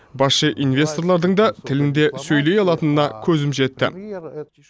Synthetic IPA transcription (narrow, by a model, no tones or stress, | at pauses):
bɑsʃəʔinvʲe̞st̪o̞rlˠɑɾd̪əɴd̪ɑt̪ʰɪlɪnd̪e̞sɵjle̞jɑlˠɑt̪ənənɑkʲʰɵzɪmʒe̞t̪ːɪ̰